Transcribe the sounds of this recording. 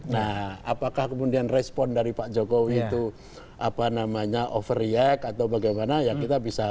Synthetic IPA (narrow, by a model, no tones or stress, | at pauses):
naha̰pakahkəmudianrɛspɔndaɾipad͡ʒokowiːt̪u | ʔapanamaɲaʔɔfriɛkat̪awbaɡajmanajakit̪abisa